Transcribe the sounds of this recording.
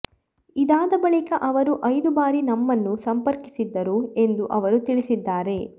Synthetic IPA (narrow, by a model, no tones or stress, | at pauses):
id̪aːd̪ɐbɐɭikɐʔɐʋɐɾuʔɐjd̪ubaːɾinɐmːɐnːusɐmpɐɾki̥sid̪ːɐɾue̞nd̪uʔɐʋɐɾut̪iɭisid̪ːaːɾe̞